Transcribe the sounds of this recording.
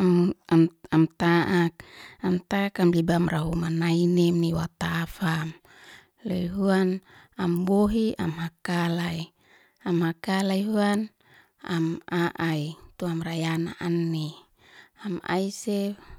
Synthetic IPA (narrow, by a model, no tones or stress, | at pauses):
amamamt̪aʔak̚amt̪akamlibamraɦumanainemniwat̪afam | leɦuan | amboɦia̰mɦakalai | amhakalaiɦuan | amaʔait̪uamrajana̰ʔanːi | ama̰ise